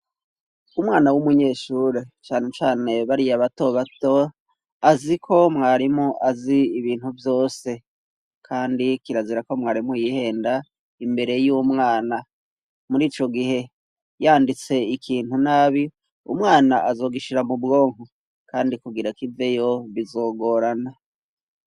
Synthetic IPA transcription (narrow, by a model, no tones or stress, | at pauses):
umŋaːnawumuɲe̞ːʃuɾet͡ʃaːne̞t͡ʃaːne̞βaɾijaβato̞βato̞ | azikʰo̞mŋaːɾimuʔaziːβiːnhuvjo̞ːse̞ | kʰaːndikiɾaziɾako̞mŋaːɾimujihe̞ːnda | imbe̞ɾe̞juːmŋaːna | muɾiːt͡ʃo̞ɡihe̞ | jaːndit͡se̞ikʰiːn̥hunaːβi | ṵmŋaːnaʔazo̞ːɡiʃiɾamubɡo̞ːŋ̥u | kaːndikuɡiɾakive̞jo̞βizo̞ːɡo̞ːɾana